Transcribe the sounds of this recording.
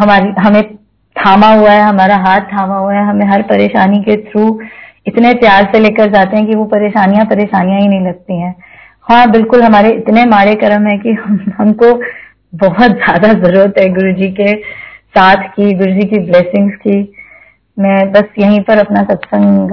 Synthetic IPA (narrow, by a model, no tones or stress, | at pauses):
ɦɐmaːɾiɦɐmẽ | t̪ʰaːmaɦuaɦɛɦɐmaːɾaɦaːt̪̚t̪ʰːaːmaɦuaɦɛɦɐmẽɦɐɾpɐɾeːʃaːniket̪ʰɾuː | ɪt̪nepjaːɾseleːkəɾd͡ʒaːt̪ẽɦɛ̃k̬iʋopɐɾeːʃaːnijãpɐɾeːʃaːnijãɦinɐɦĩlɐɡ̚t̪iɦɛ̃ː | hɔaːbɪlkʊlɦɐmaːɾeɪt̪nemaːɽekɐɾəmɦɛ̃kiɦɐmhɐmko | bɔɦʊt̪zjaːd̪azɐɾuːɾət̪ɦɛɡʊɾd͡ʒikesaːt̪ʰkiɡʊɾd͡ʒikibleːsɪ̃ŋɡski | mɛ̃ːbɐsjɐɦĩpɐɾɐpnasɐpsə̃ŋɡ